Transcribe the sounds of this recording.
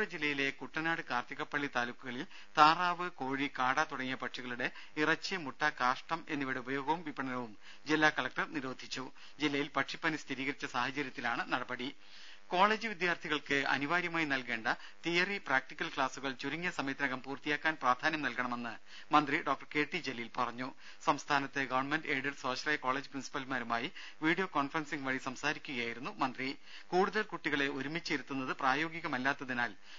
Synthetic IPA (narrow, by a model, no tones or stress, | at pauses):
ɐd͡ʑilːɐjile̞kuʈːɐnaːɽɨkaːrt̪jiɣɐpːɐɭːit̪aːlukːuɣɐɭil | t̪aːraːʋɨko̞ːɻikaːɽat̪uɽɐŋːijɐpɐʈʂiɣɐɭuɽe̞ | irɐt͡ɕːɨmuʈːɐkaːʂʈɐmenːiʋiɽeubɐjo̞ːɡɐʋumʋipːɐɳɐnɐʋum | d͡ʑilːaːkɐɭɐk̚ʈɐrniɾo̞ːd̪ʱit͡ɕːu | d͡ʑilːɐjilpɐʈʂipːɐnist̪ʰiɾiːɣɐɾit͡ɕːɐsaːhɐt͡ɕɐɾjɐt̪ːilaːɳɨnɐɽɐbɐɽi | ko̞ːɭe̞ːd͡ʑɨʋid̪jaːrt̪ʰiɣɐɭkɨɐ̰niʋaːɾjɐmaːjinɐlke̞ːɳɖɐ | t̪ijɐripraːk̚ʈikʲːɐlkɭaːsuɣɐɭt͡ɕuɾuŋːɐsɐmet̪ɾɐɣɐmpuːrt̪ijaːkːaːnpraːd̪ʱaːnjɐmnɐlkɐɳɐme̞nːɨ | mɐnd̪riɖoːk̚ʈɐrke̞ːʈːid͡ʑelːijilpɐrɐɲːu | sɐmst̪ʰaːnɐt̪ːeɡɐʋɐrɳmenɖeːɖɐrso̞ːʂɐlɐːjɐko̞ːɭed͡ʑɨprinsi̥pːɐlmaːɾumaːji | ʋiːɽijo̞ːko̞ːnfɐrɐnsiŋɡʋɐɻisɐmsaːɾikʲːuɣɐjaːjiɾunːumɐnd̪ri | kuːɽuðɐlkuʈːiɣɐɭe̞oɾumit͡ɕːiɾut̪ːunːɐðɨpraːjo̞ːɡiɣɐmɐlːaːt̪ːɐðinaːl